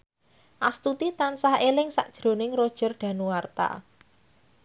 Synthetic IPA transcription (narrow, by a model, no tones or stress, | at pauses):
ʔast̪ut̪it̪ansahelɪŋsa̰ʔd̥ʒ̥ɾo̤nɪŋrod̥ʒ̥ə̤rɖ̪̥ä̤nuwart̪a̰